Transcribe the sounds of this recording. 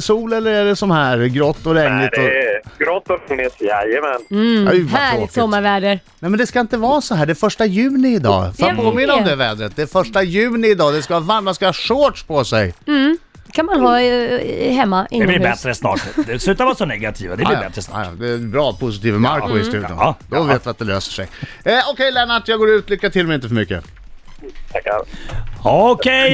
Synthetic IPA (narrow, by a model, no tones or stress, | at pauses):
suːlɛlːəɾɛd̪ɛsɔnhæːɾɡɾɔt̪ːɔɾɛŋlɪd̪ɔɡ̥ɾɔt̪ːɔfnɪsjɛjɛmɛnajvoːksɔmːaɾvæːɖəɾ | nɛmɛnd̪ɛskaɪnt̪əvɑːsɔɦæːɖɛɾfœʂʈajʉ̟ːnɪɪːd̪ɑ̰ːfapʰoːmɪnːaɔmd̪ɛvɛːd̪ɾət̪̚d̪ɛːfœʂʈajʉ̟ːnɪɪd̪ɑːd̪ɛskavɑvamanskavɑːʂoːʈʂpʰɔsɛj | kʰanmanɦɑː | ɦɛmːaʔɪ̰ɛblɪɾbɛt̪ɾəsnɑ̰ːʈd̪ɛsʉːt̪avaːsɔnɛɡat̪ʰiːva̰d̪ɛlɪbɛt̪ɾəsnɑ̰j̰d̪ɛbɾɑːpʰʊsɪt̪ʰiːvəmaɾkʊɪst̪ʉ̟ːd̪jʊ̰nd̪ɔveːt̪vɪat̪̚d̪ɛlø̰ːsə̥ʂɛ̰j | ɔkʰɛjlɛːnaʈjɑːɡoːɾʉːt̪ʰlʏkːat̪ʰɪlmɛjɪnt̪əfœəmʏkːə̰ | ɔkʰɛj